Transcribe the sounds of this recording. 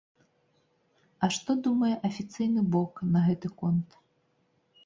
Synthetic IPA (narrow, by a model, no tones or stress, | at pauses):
ɐʂt̪ɔd̪umɐjɛʔɐfʲit̪sɨjnɨbɔknɐɣɛt̪ɨkɔnt̪